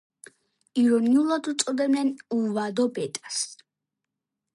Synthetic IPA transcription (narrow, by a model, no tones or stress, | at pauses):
iɾɔniulˠad̪ut̪sʼɔd̪ɛbnɛnuvad̪ɔbɛt̪ʼas